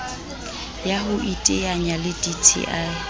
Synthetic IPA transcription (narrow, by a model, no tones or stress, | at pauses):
jaɦʊʔitʼɪjaɲalɪditʰḭʔaɪ